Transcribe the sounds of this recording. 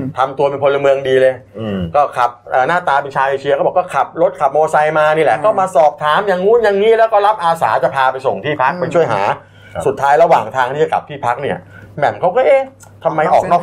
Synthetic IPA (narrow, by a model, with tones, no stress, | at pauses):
t̪ʰa˧mt̪u˧ɐmi˧pʰo˧la˧mɯ˧əŋdiː˧lɤ˧jkɔː˥˩kʰa˨˩p̚ʔaː˨˩naː˥˩t̪aː˧pe˧nt͡ɕʰaː˧wʔeː˧t͡ɕʰi˧kʰːbːkɔː˥˩kʰa˨˩p̚ɾo˦˥t̪̚kʰa˨˩p̚moː˧sa˧jmaː˧niː˥˩lɛ˨˩kɔː˥˩maː˧sɔː˨˩p̚t̪ʰaː˩˦mja˧ŋhu˦˥˨nja˧ŋːiː˦˥˨lɛː˦˥wkɔː˥˩la˦˥p̚ʔaː˧sa̰ː˩˦t͡ɕa˨˩pʰaː˧pa˧jso˨˩ŋt̪ʰiː˥˩pʰa˦˥k̚pa˧jt͡ɕʰu˥˩əjɦa̰ː˩˦ | su˨˩t̪ʰːaː˦˥jɾa˧waː˨˩ŋt̪ʰaː˧ŋʰiː˥˩a˨˩ka̰˨˩p̚t̪ʰiː˥˩pʰa˦˥k̚ni˥˩ɐmɛ˨˩mkʰa˦˥wkɔː˥˩ʔeː˧˩ | t̪ʰa˧mːa˧jʔɔː˨˩nɔː˥˩